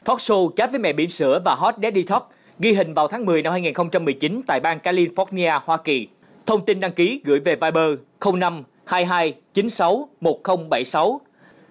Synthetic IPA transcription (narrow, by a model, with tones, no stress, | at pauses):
t̪ʰɔ˦˥t̚so˧t͡ɕaː˨˦˥vəː˨˦jmɛ̰˧˨ɓḭ˧˩ənsɨ̰˧˥əvaː˨˩ɦɔ˦˥t̚ɗɛ˨˦˥ɗi˧t̪ʰɔ˦˥t̚ | ɣi˧ɦï˨˩ŋ̟vaː˨˩wt̪ʰaː˨˦ŋmɨ˨˩əjna˧mhaː˧jŋi˨˩nxə˧wŋ͡mt͡ɕa˧mːɨ˨˩jt͡ɕi˨˦nt̪a̰ː˧˨jɓaː˧nkaː˧li˧fɔ˦˥t̚ni˧ʔaː˧hwaː˧ki˨˩ | t̪ʰə˧wŋ͡mt̪i˧nɗa˧ŋki˨˦ɣɨ̰˧˩jve˨˩vaː˧jɓəː˧ | xə˧wŋ͡mna˧m | haː˧jɦaː˧jt͡ɕi˨˦nsa˨˦wmo˨˩t̚xə˧wŋ͡mɓa˧˩jsa˨˦w